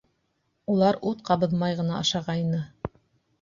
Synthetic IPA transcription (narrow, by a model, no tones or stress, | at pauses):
ulˠɑɾut̪̚qɑβɤ̆ðmɑjʁɤ̆nɑɑʃɑʁɑinɤ